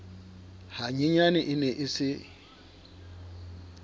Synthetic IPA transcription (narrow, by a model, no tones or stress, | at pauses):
haɲiɲanɪʔɪnɛʔɪsɪ